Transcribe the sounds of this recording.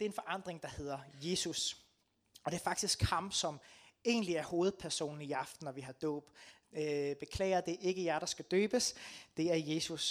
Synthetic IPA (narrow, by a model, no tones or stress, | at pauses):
d̥e̝æɐe̝nfɒ̽ʔɑ̈n̰d̥ʁeŋd̥ɑ̈he̝ð̞̰ˠɐje̝ːsus | ɒd̥e̝æɐfɑ̈ɡ̥̚d̥isɡ̥hɑ̈msɒ̽me̝̰ːnliæɐho̝ːð̩ˠpʰæɐso̝̰ːn̩iɑ̈fd̥n̩ɒʋiɦɑ̈d̥ɔ̰ːb̥ | øb̥e̝kʰlɛ̰ːɪ̰ɐðd̥eæɐʔe̝ɡ̥əjæɾ̥ɑ̈sɡ̥æd̥øːb̥əsd̥e̝æɐje̝ːsus